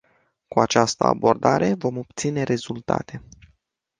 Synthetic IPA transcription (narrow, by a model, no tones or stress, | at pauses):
kuat͡ʃast̪ə̰a̰bo̞rd̪aɾe̞vo̞mo̞p̚t̪sine̞ɾe̞zult̪a̰t̪e̞